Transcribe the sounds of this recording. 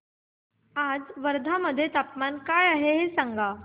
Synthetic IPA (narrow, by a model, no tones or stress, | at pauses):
ad͡zʋəɾd̪ʱaməd̪ʱːjet̪apmankajaɦeɦesaŋɡa